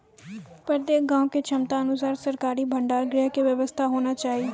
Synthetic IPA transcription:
pəɾd̪eːkɡãːõket͡ʃʰəmt̪aːənʊs̬aːɾsəɾkaːɾiːbʱəɳɖaːɾɡɾɛːɦkeʋjəʋəst̪ʰaɦoːnaːt͡ʃaːɦiː

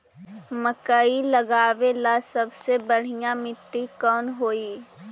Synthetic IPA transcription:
məkailɐɡaːʋelasɐbsebɐɽ̤ijãmɪʈːikɔːnɦoːiː

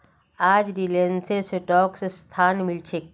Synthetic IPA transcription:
aːd͡ʒɾilenseseʈɔːksest̪ʰaːnmɪlt͡ʃʰek

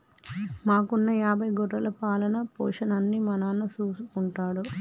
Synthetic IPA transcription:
maːkunːɐjaːbʱɐjɡɔʈɐlɐpaːlɐnɐpɔ̰ːʂɐnɐnːimɐnaːnːɐt͡ʃuːsukuɳʈaːɽu

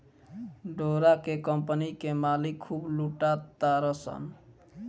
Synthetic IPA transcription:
ɖoɾakekəmpnikemalikʰːubluʈat̪ːaɾəsə̰n

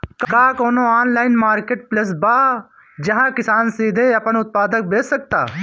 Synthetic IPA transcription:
kkaːkoːnõaːnlaːɪnmaːɾkeːʈ̚pləs̬baː | d͡ʒɐɦãkɪsaːnsiːd̪ʱeɐpənʊt̪̚paːd̪ək̚beːsək̚t̪a̰ː

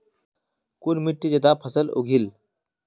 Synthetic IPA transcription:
kunmiʈːid͡ʑəd̪apʰəsəlo̰ɡʱil

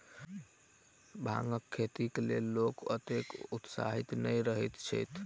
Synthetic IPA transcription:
bʱa̰ŋɡəkʰːet̪iklelːokə̰t̪ekut̪sa̰ɦit̪nəjɾəɦɛt̪t͡ʃʰə̰jt̪ʰ

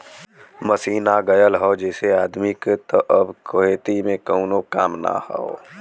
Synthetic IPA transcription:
məsiːnaɡɐjəlɦoːd͡ʒɛːseaːd̪mɪkt̪oʔɐbkʰoɦeːt̪imẽkoːnokaːmna̰hɔ̰o

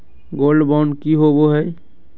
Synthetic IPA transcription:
ɡoːlɖbaʊnɖkiɦoboɦɛj

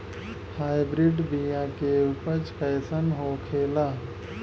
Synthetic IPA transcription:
haːɪbɾiɖbijakeʊpət͡ʃpɛːsənɦokʰeːlaː

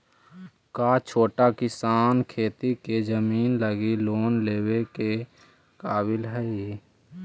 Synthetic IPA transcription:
kaːt͡ʃʰoːʈakɪsaːnkʰeːt̪iked͡ʒəmiːnləɡiloːnleːweke | kaːbɪlɦɛ

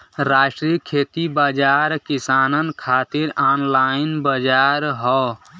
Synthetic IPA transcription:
ɾaʃʈɾikʰet̪ibad͡ʒaɾkisaːnənkʰat̪iɾanlainbəd͡ʒaɾɦɔ

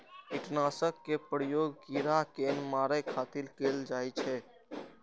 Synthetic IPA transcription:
iʈnasəkːepɾəjoɡːiɾakenmaɾəkʰat̪ilkeld͡ʒajt͡ʃʰɛ

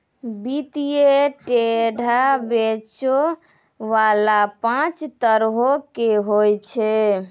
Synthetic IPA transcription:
bit̪ijeʈeɖʱabet͡ʃo | ʋalapãt͡ʃt̪əɾɦokeɦojt͡ʃʰɛ

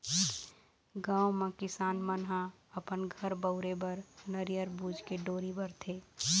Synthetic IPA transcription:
ɡãːwmẽkɪsaːnmənɦã | əpənɡʱəɾbəʊɾebəɾnəɾijəɾbuːd͡ʒʱkeɖoːɾibəɾt̪ʰe

